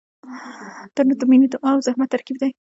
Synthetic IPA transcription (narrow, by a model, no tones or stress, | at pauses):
t̪anʊt̪ʊminid̪ʊʔɑwzahmat̪ːaɾkib̚d̪aj